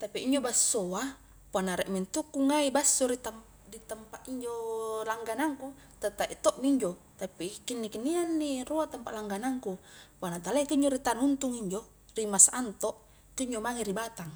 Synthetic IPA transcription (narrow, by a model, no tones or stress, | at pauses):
t̪apiiɲd͡ʒobasːoa | poanaɾɛʔmint̪ukːuŋaibasːoɾit̪am | dit̪ampaʔiɲd͡ʒolaŋɡanaŋku | t̪at̪aʔḭt̪oʔmiiɲd͡ʒo | t̪apikinːikinːianːiroat̪ampaʔlaŋɡanaŋkupanat̪alaet̪uiɲd͡ʒoɾit̪anunt̪uŋiɲd͡ʒo | rimasaʔːnt̪oʔ | t̪uiɲd͡ʒomaŋeɾibat̪aŋ